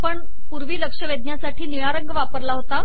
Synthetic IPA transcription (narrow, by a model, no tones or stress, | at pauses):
pəɳ | puɾʋiːləkʂəʋed̪̚njasaʈʰiːniɭaɾəŋɡʋapəɾlaɦot̪a